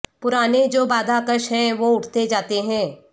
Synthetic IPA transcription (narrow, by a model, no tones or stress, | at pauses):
pʊɾaːned͡ʒoːbaːd̪ʱaːkəʃɦɛ̃ʋoːʊʈʰt̪ed͡ʒaːt̪eɦɛ̃ː